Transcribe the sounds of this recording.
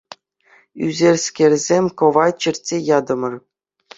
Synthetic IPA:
yzʲerʲsʲkʲerʲzʲemʲkɤ̆ʋɑt͡ɕɘ̆rʲtʲːejɑd̪ɤ̆mɤ̆r

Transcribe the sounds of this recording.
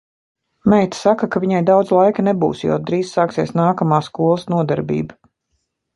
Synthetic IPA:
mɛjt̪sakakaviɲajd̪awd̪zlˠajkanebṵːsjo̰d̪ɾiːzsaːksiɛsnaːkamaːskuɔlˠəsnuɔd̪aɾbḭːba

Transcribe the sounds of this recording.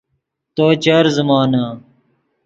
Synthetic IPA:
t̪oːt͡ɕaːɾzəmaːnaː

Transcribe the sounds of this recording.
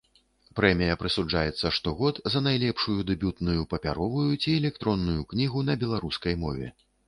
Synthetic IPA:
pɾɛmʲijɐpɾɨsud͡ʐajɛt̪sːɐʂt̪ɔɣɔd̪zɐnajlʲɛpʂujud̪ɛbʲut̪nujupɐpʲa̰ɾɔvujut͡sʲiɛlʲɛk̚t̪ɾɔnːujuknʲiɣun̪ɐbʲɛlˠaɾuskɐjmɔ̰vʲɛ̰

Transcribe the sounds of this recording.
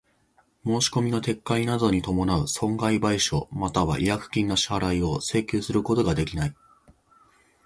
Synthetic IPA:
mo̞ːɕi̥ko̞mʲino̞t̪e̞kːainad̪o̞ɲ̟it̪o̞mo̞naɯ̟sõ̞ŋɡaibaiɕo̞mat̪aβa̰ʔijakɯ̟̥kʲĩnːaɕaɾaio̞se̞ːkʲɨːsɨɾɯ̟ko̞t̪o̞ɡad̪e̞kʲinai

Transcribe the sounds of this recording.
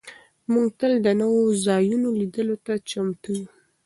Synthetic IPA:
muŋɡt̪əld̪ənəwozɑjunolid̪əlot̪at͡ʃamt̪uju

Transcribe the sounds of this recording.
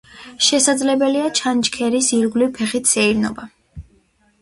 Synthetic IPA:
ʃɛsad̪zlɛbɛliat͡ʃʰant͡ʃkʰɛɾisiɾɡlipʰɛχit̪ʰsɛiɾnɔ̰ba

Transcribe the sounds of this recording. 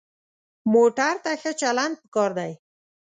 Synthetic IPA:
moʈaɾt̪axət͡ʃaland̪̚pə̥kɑɾd̪aj

